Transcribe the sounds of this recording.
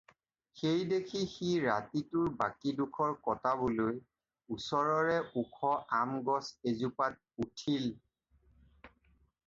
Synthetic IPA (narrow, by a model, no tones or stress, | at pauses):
xejdekʰixiɹatitʊɹbakidukʰɔɹkɔtaboloj | usɔɹɔɹɛʔukʰɔʔamɡɔsezupat̚utʰil